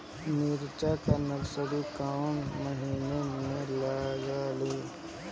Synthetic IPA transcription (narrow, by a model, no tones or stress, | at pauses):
niːɾt͡ʃakanəɡsəɾikaʊnməɦiːnemẽləɡaːleː